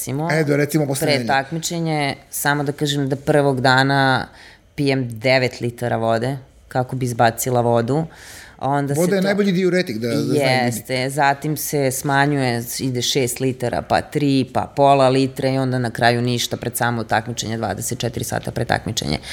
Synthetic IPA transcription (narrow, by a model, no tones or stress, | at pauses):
simoɛd̪aɾɛt̪simopospɾett̪akmit͡ʃeɲesamod̪akaːʒemd̪apr̩ʋoɡd̪aːna | pijemd̪eʋet̪lit̪aɾaʋo̞d̪e | kakobizbat̪silˠaʋo̞d̪u | o̞nd̪asod̪ajenajboʎid̪ioɾet̪iŋɡd̪ajɛst̪ezat̪imsesmaɲujeid̪eʃeːst̪lit̪aɾa̰pa̰t̪ɾiːpa̰polˠalit̪ɾeio̞nd̪anakɾaːjuniʃt̪apɾed̪saːmot̪akmit͡ʃḛɲed̪ʋa̰ːd̪eset̪̚t͡ʃɛt̪iɾisa̰ːt̪apɾet̪a̰kmit͡ʃḛɲḛ